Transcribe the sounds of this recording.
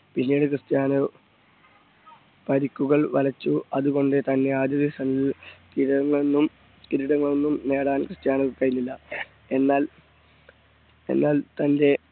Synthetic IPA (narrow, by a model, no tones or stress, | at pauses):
pinːiːɽɨkrɨst̪jaːnɐ | pɐɾikʲːuɣɐɭʋɐlɐt͡ɕːuɐðuɣo̞ɳɖɨt̪ɐnːe̞aːd̪jɐðisɐnikiɾɐŋːɐɭenːum | kiɾuɽɐŋːɐɭonːumne̞ːɽaːnkrɨst̪jaːnɐʋukːɐjinːilːɐ | e̞nːaːl | e̞̰nːaːlt̪ɐnde̞